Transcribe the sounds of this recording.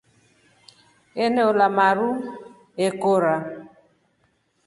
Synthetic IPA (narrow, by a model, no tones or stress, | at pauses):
eneolamaɾu | ekoɾa